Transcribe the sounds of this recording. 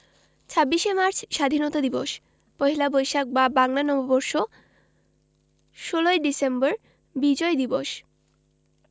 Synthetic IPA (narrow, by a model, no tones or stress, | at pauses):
t͡ɕʰabːiʃemaɾt͡ɕʰʃad̪ʱinɔt̪ad̪iboʃ | pɔɦilabojʃak̚babaŋlanɔbobɔɾʃo | ʃoloeɖisembɔɾ | bid͡ʑɔed̪iboʃ